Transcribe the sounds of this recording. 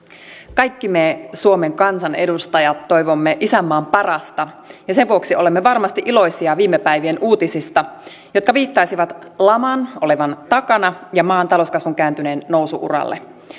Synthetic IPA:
kɑjkːimesuo̞me̞ŋkɑnsɑne̞dust̪ɑjɑt̪ːo̞jʋomːeʔisæmːɑːmpɑrɑst̪ɑ | jɑse̞nʋuoksio̞lemːeʋɑrmɑst̪iʔilo̞jsiɑʋiːmːepæjʋie̞nuːt̪isist̪ɑ | jo̞t̪̚kɑʋiːt̪ːɑisiʋɑt̪lɑmɑnʔo̞leʋɑnt̪ɑkɑnɑjɑmɑːnt̪ɑloskɑsʋuŋk̟æːnt̪yne̞ːnːo̞wsuʔṵrɑ̰lːe

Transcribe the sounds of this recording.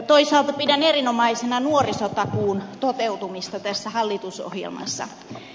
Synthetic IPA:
t̪oisɑːlt̪ɑpidænerinomɑisenɑnuorisot̪ɑkuːnt̪ot̪ewt̪umist̪ɑt̪æsːæhɑlːit̪uso̰hjḛlmɑ̰sːɑ̰

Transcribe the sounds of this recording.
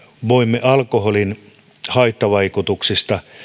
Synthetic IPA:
ʋoimːeʔɑlkoɦolin | hɑit̪ːɑʋɑikut̪uksist̪ɑ

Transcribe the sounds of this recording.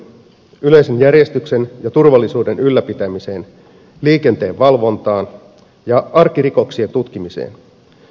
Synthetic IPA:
yle̞jse̞njærje̞st̪ykse̞njɑt̪urʋɑlːisuːde̞nylːæpit̪æmise̞ːn | liːke̞nt̪e̞ːʋʋɑlʋo̞nt̪ɑːn | jɑɑrkiɾiko̞ksie̞nt̪ut̪k̟imisḛːn

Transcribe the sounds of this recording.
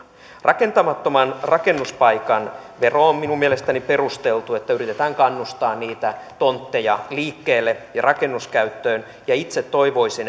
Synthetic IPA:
rʔɑke̞nt̪ɑmɑt̪ːomɑnrɑke̞nːuspɑjkɑnʋe̞roomminumːielest̪ænipe̞rust̪e̞lt̪ue̞t̪ːæyrit̪et̪æːŋkɑnːust̪ɑːnniːt̪æt̪o̞nt̪ːe̞jɑliːkːeːlːejɑrʔɑke̞nːuskæyt̪ːøːn | jɑit̪set̪ːo̞iʋo̞isen

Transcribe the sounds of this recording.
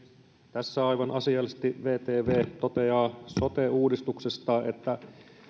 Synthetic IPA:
t̪æsːæɑjʋɑnʔɑsiɑlːist̪iʋeːt̪eːʋeːt̪ot̪eɑːso̞t̪euːdist̪uksest̪ɑːʔet̪ːæ

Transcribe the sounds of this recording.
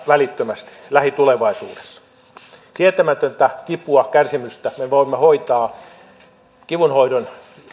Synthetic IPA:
ʋælit̪ːømæst̪i̥læhit̪uleʋɑisṵːde̥sːɑ̥ | siæt̪æmæt̪ønt̪ækipuɑkærsimyst̪æmeʋoimːɑhoit̪ɑː | kiʋunhoidon

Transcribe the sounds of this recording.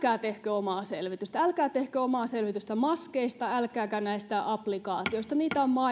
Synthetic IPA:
kæːt̪ehkøːomɑːsḛlʋit̪yst̪æælkæːt̪ehkøːomɑːselʋit̪yst̪æmɑskeist̪ɑælkæːkænæist̪æʔɑplikɑːt̪ioist̪ɑniːt̪æommɑ

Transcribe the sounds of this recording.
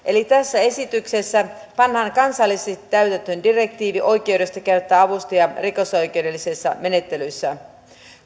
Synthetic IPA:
ʔe̞lit̪æsːæe̞sit̪ykse̞sːæ | pɑnhɑːŋkɑnsɑlːiset̪ːæɥt̪ænt̪øndire̞k̚t̪iːʋiʔo̞jk̟e̞wde̞st̪ɑkert̪ːæːɑʋust̪ɑjɑriko̞so̞jk̟e̞wde̞lːisesːɑ̰me̞ne̞t̪ːe̞lysːæ

